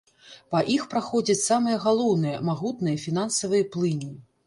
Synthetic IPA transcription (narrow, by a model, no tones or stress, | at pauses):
pɐʔixpɾaxɔd͡zʲɐt͡sʲsamɨjɐɣalˠɔwnɨjɐmaɣut̪nɨjɐfʲin̪ansɐvɨjɐplˠɨnʲi